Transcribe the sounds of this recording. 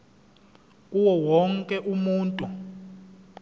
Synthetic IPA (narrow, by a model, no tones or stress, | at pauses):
uwɔwɔŋkʼɛʔumuːntʼu